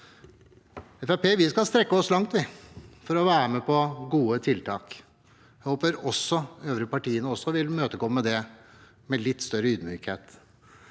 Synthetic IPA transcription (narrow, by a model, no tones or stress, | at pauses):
ɛfæpeːʋɪskɑlst̪ɾɛkːəɔslɑŋt̪ʋɪfɔɾɔʋæːɾəmɛpʰɔɡuːət̪ʰɪlt̪ʰɑːk | jæhoːpəɾɔsːɔøːʋɾəpɑʈiːənəɔsːɔʋɪlmøːt̪əɡɔːmːəd̪ɛ | mɛlɪt̪ːst̪œɾəyːd̪myːkheːt̪